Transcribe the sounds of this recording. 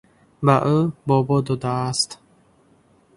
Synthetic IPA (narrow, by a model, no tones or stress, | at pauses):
baʔubɔbɔd̪ɔd̪aːst̪